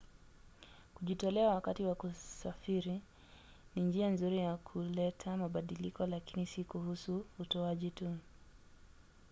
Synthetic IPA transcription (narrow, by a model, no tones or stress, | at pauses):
kuʄitɔlɛawakatiwakusafiɾi | nind͡ʒianzuɾijakʰulɛtʰamaɓaɗilikɔlakinisikuhusuːtɔaʄitu